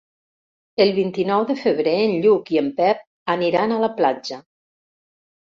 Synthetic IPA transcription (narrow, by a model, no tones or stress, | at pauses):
əlˠβint̪inɔwðəfəβ̞ɾeənʎukiəmpɛp̚ | əniɾanalaplad͡ʒə